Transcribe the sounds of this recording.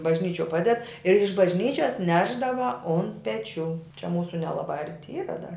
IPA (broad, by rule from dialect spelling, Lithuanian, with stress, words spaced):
bɐʒʲˈnʲiːt͡ʃʲoː ˈpɑːdʲɛt ɪr ɪʃ bɐʒʲˈnʲiːt͡ʃʲɛs ˈnʲæːʒdɐʋɐ oːn pʲɛˈt͡ʃʲuː t͡ʃʲɛ ˈmuːsʊ nʲɛlˠɐˈbɑː ˈɐrʲtʲɪ ˈiːrɐ dɐr